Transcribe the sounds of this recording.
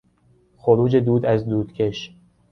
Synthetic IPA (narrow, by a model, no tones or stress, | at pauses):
xoɾuːd͡ʒe̞d̪uːd̪æzd̪uːd̪̥cʰe̞ʃ